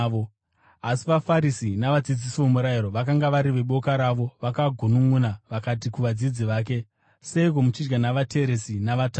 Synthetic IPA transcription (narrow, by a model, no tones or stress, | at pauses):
o | asiʋafaɾisinaʋad͡zid͡zisiʋomuɾaiɾo̞ʋakaŋɡaʋaɾiʋe̞ɓo̞kaɾaʋo̞ʋakaɡʱunuŋunaʋakat̬ikuʋad͡zid͡ziʋaːk̬e̞ | se̞iko̞mut͡ʃid͡ʒɡanaʋate̞ɾe̞sinaʋata